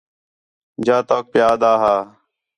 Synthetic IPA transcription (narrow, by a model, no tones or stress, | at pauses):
d͡ʒaːt̪oːk̚pjaːd̪aːɦaː